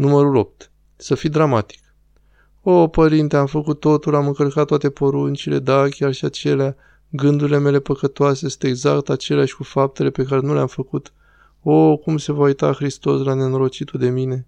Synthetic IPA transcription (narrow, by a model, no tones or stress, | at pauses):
numəɾulo̞p̚t̪ | səfid̪ɾamat̪i̥k | opəɾint̪eamfəkut̪ːo̞t̪ulamɨŋkəlkat̪ːowat̪epo̞ɾunt͡ʃile̞̰d̪akʲjarʃiat͡ʃe̞lea | ɡɨnd̪uɾile̞me̞le̞pəkət̪oasesɨ̥ne̞ɡza̰kt̪at͡ʃe̞leaʃʲkufap̚t̪e̞le̞pe̞kaɾe̞nuleamfəkut̪ | okumse̞vaujt̪a̰xɾist̪o̞slane̞noɾo̞t͡ʃit̪ud̪e̞mine̞